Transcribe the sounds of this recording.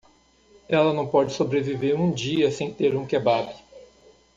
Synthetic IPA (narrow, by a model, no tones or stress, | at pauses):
ɛlɐnɐ̃w̃pɔd͡ʒɪsobɾeviveɾũd͡ʒiɐsẽj̃t̪eɾũkebad̪ʊ